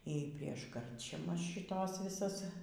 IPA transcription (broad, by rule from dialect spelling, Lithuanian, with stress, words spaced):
iː ˈpʲrʲiɛʃ ˈkɐrʲt͡ʃʲɛmɐs ʃʲɪˈtoːs ʋʲɪˈsɐs